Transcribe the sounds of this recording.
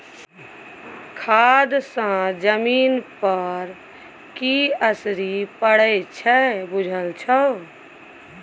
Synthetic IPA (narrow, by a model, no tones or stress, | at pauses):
kʰad̪sə̃d͡ʒəmiːnpəɾ | kiəsɾipəɽət͡ʃʰɛbud͡ʒʱəlt͡ʃʰə